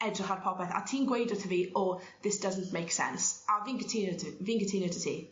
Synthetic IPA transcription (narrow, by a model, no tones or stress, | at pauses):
ɛdrəχarpʰɔpɛθa̰tʰiːnɡweɪdətʰəviːoː | ðɪsd̥ʌzən̩ʔmejksɛ̰̃nsaviːnkʰətʰɪnətʰviːnkətʰɪnjətʰətʰḭː